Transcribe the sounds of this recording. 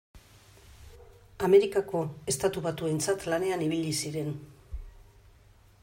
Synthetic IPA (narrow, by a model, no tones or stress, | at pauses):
ame̞ɾikako̞e̞st̪at̪uβat̪ue̞nt͡sat̪lane̞aniβiʎisiɾe̞n